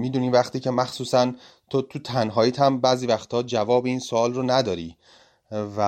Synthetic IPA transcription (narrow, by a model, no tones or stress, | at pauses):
miːd̪uːniːvæxt̪ʰiːcʰe̞mæxsuːsæn | t̪ʰot̪ʰut̪ʰænɦɒːjiːt̪ʰæmbæːziːvæxt̪ʰɒːd͡ʒævɒːbiiːnsoɒːlronæd̪ɒːɾiː | væ